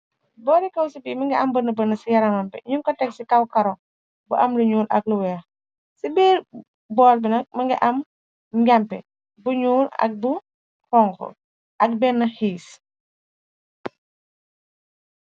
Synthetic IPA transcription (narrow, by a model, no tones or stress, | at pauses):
bɔɾikɐwsibiːmɐŋɡiʔɐmbənːɐbənɐsijɐɾɐmɐmpɛ̰ɲuŋkɔtɛksikɐwkɐɾɔ | buʔɐmluɲuːlʔɐ̰k̚luwɛɐ | sibiːɾ | bɔːlbinɐk̚mɐŋɡiʔɐm | ɡampɛ̰ | buɲuːlɐ̰k̚bu | hɔŋkɔ̰ | ʔɐk̚bɛnːɐhiːs